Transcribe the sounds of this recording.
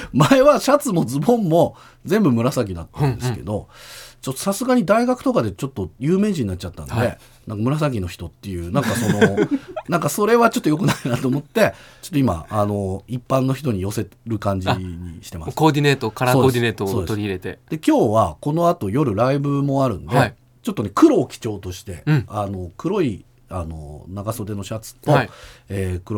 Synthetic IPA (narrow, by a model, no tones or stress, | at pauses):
mae̞βaɕat͡sɨmo̞d͡zɨmõ̞mːo̞ | d͡zẽ̞mbɯ̟mɯ̟ɾasakʲid̪at̪ːãnd̪esɨ̥ke̞̰d̪o̞t͡ɕot̪ːo̞̥sasɨɡaɲ̟id̪aiɡakɯ̟̥t̪o̞kad̪e̞t͡ɕo̞t̪ːo̞jɯːme̞ːʑĩɲ̟inat͡ɕit͡ɕat̪ːa̰nd̪e̞̰ | nʔãŋkamɯ̟ɾas̬aɡ̬ʲino̞çi̥t̪o̞t̪ːe̞jɯ̟ːnãŋkaso̞no̞nãŋkaso̞ɾe̞βat͡ɕo̞t̪ːojo̞k̬ɯ̟nainat̪o̞ːmot̪ːe̞t͡ɕot̪ːo̞ima̰ano̞ipːãnːo̞çi̥t̪o̞ɲ̟ijo̞se̞ɾɯ̟kãɲ̟d͡ʑɲḭɕi̥t̪e̞masskoːd̪ʲinet̪okaɾaoːdd̪ineːt̪osoːd̪eoɾʲiɾe̞t̪e̞d̪̥e̞kʲo̞ːβako̞no̞at̪o̞jo̞ɾɯ̟ɾaibɯ̟mo̞aɾɯ̟̰̃nd̪e | t͡ɕo̞t̪ːone̞kɯ̟ɾo̞ːkʲi̥t͡ɕo̞ːt̪o̞ɕi̥t̪ẽ̞ano̞kɯ̟ɾo̞i | ano̞̰naɡaso̞d̪e̞no̞ɕat͡sɨ̥t̪o̞eːkɯ̟ɾo